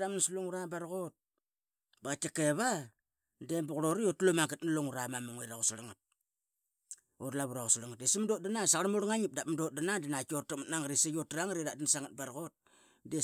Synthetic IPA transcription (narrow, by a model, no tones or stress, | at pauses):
ɾamnsloŋuɾabaɾɣot̚ | bakakeβa | dembuɣɾoɾijotulomaŋɡetnaloŋuɾamamaŋejɾaɣusaɾaŋat̚ | odlaβuɾaɣusaɾaŋat̚desimdot̚danasaaɾmoɾŋaɲip̚dapmdot̚danadinakotamatnaŋɡɾisejotɾaŋɾiɾadinsaŋat̚baɾɣot̚ | de